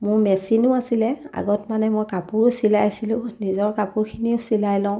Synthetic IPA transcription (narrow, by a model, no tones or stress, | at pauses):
mʊɹmɛsinʊasilɛa̰ɡɔtmanɛmɔjkapuɹʊsilajsilʊ̃nizɔɹkapuɹkʰiniʊsilajlɔ̃ʊ̃